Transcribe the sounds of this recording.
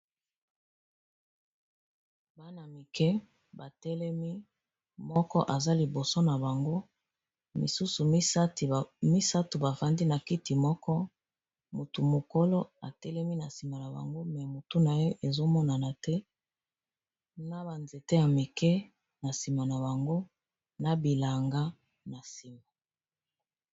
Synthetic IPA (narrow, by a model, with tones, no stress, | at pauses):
ba˦na˨mi˨kɛ˦ | ba˨tɛ˦lɛ˦mi˦ | mɔ˦kɔ˦ʔa˨za˦li˨bo˨so˦na˨ba˨ŋɡo˦ | mḭ˨su˦su˨˦tmi˦sa˦tu˨ba˨va˨ndi˦na˨ki˦ti˨mɔ˦kɔ˦ | mo˨tu˨mo˨ko˦lo˦a˨tɛ˦lɛ˦mi˦na˨si˨ma˨na˨ba̰˨ŋɡo˦mɛ˨mo˨tu˦na˨je˦ʔe˨zo˦mɔ˦na˨na˨tɛ˦ | na˦ba˨nze˨te˦ja˨me˨kɛ˦ | na˨si˨ma˨na˨ba˨ŋɡo˦ | na˨bi˨la˨ŋɡa˦ | na˨si˨ma˨